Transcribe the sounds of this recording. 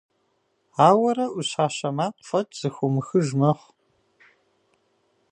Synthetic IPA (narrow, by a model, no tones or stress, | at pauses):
aːwɐɾɐʔuɕaːɕɐmaːqʷfɐtʰz̥ɨxʷʊmɨxɨʒmɐχʷ